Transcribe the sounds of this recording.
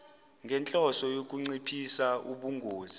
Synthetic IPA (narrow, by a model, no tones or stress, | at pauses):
ŋɡʱɛnt͡ɬʼɔsɔjok̬ʼuŋ͡ǀipʰisauɓuŋɡʱoːzi